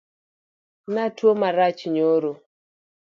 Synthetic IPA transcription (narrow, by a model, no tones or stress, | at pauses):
natwomaɾat͡ʃɲoɾo